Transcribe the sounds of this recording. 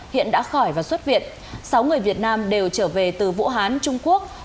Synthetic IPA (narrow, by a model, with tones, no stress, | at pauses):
hḭ˧˨ənɗa̰ː˧˥xɔ˧˩jvaː˨˩swə˦˥t̚vḭ˧˨ən | sa˨˦wŋɨ˨˩əjvi˨˩ət̚naː˧mɗe˨˩wt͡ɕəː˧˩ve˨˩t̪ɨ˨˩vṵ˧˥ɦaː˨˦nt͡ɕʊ˧ŋ͡mku˦˥ək̚